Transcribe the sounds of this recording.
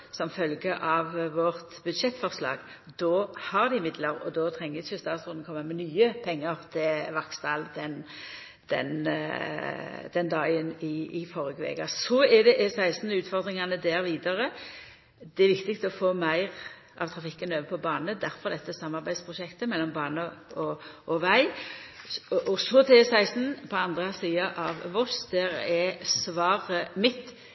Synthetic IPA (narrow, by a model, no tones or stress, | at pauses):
sɔmfœlɡəʔɑʋːɔʁt̪bʉd̪ʂɛt̪ːfɔʁslɑ̰ːɡ | d̪̥oːhɑʁd̪ɪɪmɪd̪ləʁɔ̰d̪ɔt̪ʰʁɛŋːəçəst̪ɑːt̪sʁʊn̩kʰɔmːəmɛnyːəpʰɛŋːəʁt̪ʰɪʋɑkst̪d̪ɑːld̪ɛn | d̪̥ɛ̰n | d̪̥ɛnd̪ɑːɡənɪfɔʁəɡəʋḛːɡɑsɔɛd̪ɛʔɛsæɪsnəʉːt̪fɔʁd̪ʁɪŋɑnəd̪æːɾʋiːd̪ɑʁə | d̪̥ɛɛɾʋɪkt̪ɪkt̪ɔfoːmæɪʁ | ʔɑ̰ʋt̪ʰʁɑfɪkːənøːʋəpʰɔbɑːnəd̪æɾfɔʁd̪ɛt̪ːəsɑmːɑɾbæɪd̪spʰʁʊʃɛkt̪əmɛlːɔmbɑːnəɔʔɔʋæɪ | ʔɔsɔt̪ʰɪesæɪst̪n̩pʰɔɑnd̪ʁəsiːɑʔɑʋʋɔsd̪æɾɛsʋɑːɾəmɪt̪ː